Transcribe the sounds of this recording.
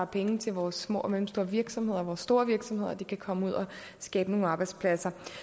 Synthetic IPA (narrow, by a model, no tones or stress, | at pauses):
ɑ̈pʰeŋt͡sʰe̝lʋɒːsːmɔ̰ːɒmelm̩sd̥o̝ːɐʋiɐɡ̥sɒ̽mɦe̝ð̞̰ˠɐʋɒːsːd̥o̝ːɐʋiɐɡ̥sɒ̽mhe̝ð̞̰ˠɐd̥ikʰækʰɒ̽məuð̞̰ˠɒ̽ | sɡ̥ɛːb̥əno̝ːn̩ɑ̈ːb̥ɑ̈ɪd̥spʰlæsɐ